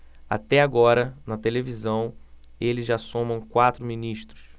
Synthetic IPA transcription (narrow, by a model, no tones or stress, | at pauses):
a̰t̪ɛaɡɔɾɐnɐt̪elevizɐ̃w̃ | elɪzʒasõmɐ̃w̃kwat̪ɾʊminiʃt̪ɾʊ̥s